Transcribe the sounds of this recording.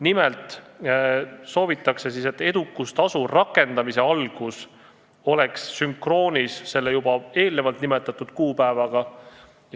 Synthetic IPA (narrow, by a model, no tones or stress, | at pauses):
nimɛlt̪ˑ | so̞ːvit̪ːˑɑkse̞sise̞t̪ːe̞d̪̥ukːˑust̪ɑsurɑkːˑe̞nd̪̥ɑmise̞ɑlɡ̥us | o̞le̞ksːyŋkro̞ːnʲisse̞lːejubɑe̞ːlne̞vɑlt̪nime̞t̪ːˑɑt̪ːˑud̪̥kuːpæevɑɡ̥ɑ | j